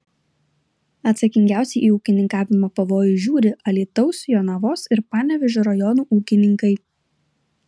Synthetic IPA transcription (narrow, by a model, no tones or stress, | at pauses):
ɐt̪sɐkʲɪŋʲɡʲæˑʊsʲɛɪʔiːuːkʲɪnʲɪŋkɑːʋʲɪmoːpɐʋoːjʊʒʲuːɾʲɪʔɐlʲiːt̪ɒʊsjoːnɐʋoːsɪɾpɑːnʲɛʋʲɪʒʲoːɾɐjɔnuːʔuːkʲɪnʲɪŋkɐɪ